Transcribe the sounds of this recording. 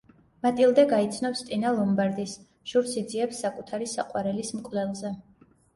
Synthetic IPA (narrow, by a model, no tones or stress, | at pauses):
mat̪ʼilˠd̪ɛɡait̪sʰnɔfst̪ʼinalˠɔmbaɾd̪is | ʒ̥uɾsid̪ziɛpsːakʼut̪ʰaɾisa̰qʼwaɾɛlismkʼlɛlˠzɛ